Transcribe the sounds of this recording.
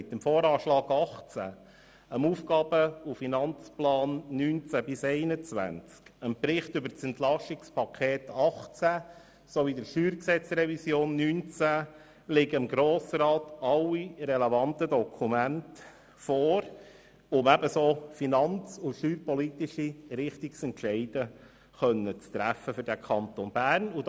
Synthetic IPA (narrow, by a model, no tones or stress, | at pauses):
ɪt̪ːəmfoːɾɑːʃlɑːɡ̥ɑχt͡sæ̰ | əmuːfɡɑːbəufinɑnt͡splɑːnːyːnt͡sæbɪsɛɪnət͡sʋæ̰nt͡skəmpɾɪχtʏbəɾt͡sɛnt̪lɑʃɪkspɑkʰeːtɑχt͡sæ | sovid̪əɾʃyːɾksɛt͡srɛvisjoːnːyːnt͡sæ | lɪɡəɪmɡɾoːsɾɑːt̪ɑlːiɾɛlɛvɑnt̪ədɔkʰumænt | fɔːɾ | ʊmæbəsoːfinɑnt͡suʃyːɾpɔlitiʃiɾɪχtɪksɛntʃɛɪd̥ə | χœnːət͡st̪ɾæfːəfʏɾdækʰɑnt̪onb̥æːɾnu